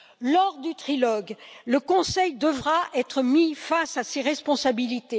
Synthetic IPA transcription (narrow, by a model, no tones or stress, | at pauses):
lɔʁd̪yt̪χilɔɡləkɔ̃sɛjd̪əvʁaʔɛt̪χəmifasaseʁɛspɔ̃sabilit̪e